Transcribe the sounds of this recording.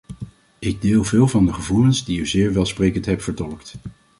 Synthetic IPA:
ʔɪɡ̚dɪːlˠvɪːlˠvɑndəχəvulənzdiyzɪːɹʋɛlˠsprejkəntɦɛp̚fəɹtɔləkt

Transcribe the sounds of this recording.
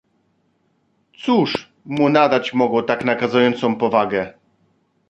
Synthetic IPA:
t̪suʂ | munad̪at͡ɕmɔɡwɔt̪aknakazujɔnt̪sɔ̃w̃pɔvaɡɛ

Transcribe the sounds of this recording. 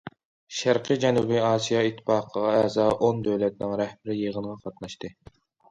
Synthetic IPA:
ʃæɾqʰɨd͡ʒɛnubiɑːsijɑit̪ʰːɪ̥pɑːqʰəʁɑɛzɑʔond̪øwlɛt̪̚nɪŋɾɛhbɪɾɪjeʁənʁɑqʰɑt̪nɑʃt̪ɨ

